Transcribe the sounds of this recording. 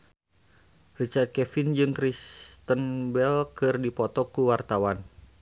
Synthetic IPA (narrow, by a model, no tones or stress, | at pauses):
rit͡ʃat̪̚kɛfind͡ʒɨŋkɾist̪ənbɛlkɨrdipɔt̪ɔkuwart̪awan